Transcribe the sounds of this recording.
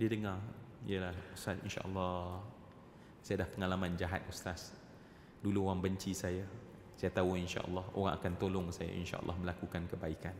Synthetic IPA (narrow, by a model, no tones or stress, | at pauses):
diədəŋarijəlahusasḭnʃa̰ʔə̰lːɔ | sajadahpəŋalamãnd͡ʒaɦa̰t̪̚uslas | duluoɣaŋbəɲt͡ʃisaja | sajat̪auinʃa̰ʔə̰lːɑho̰ɾaŋa̰kant̪olʊŋsaja̰ʔḭnʃa̰ʔə̰lːʔːɔ̰hməlakukankəbaikan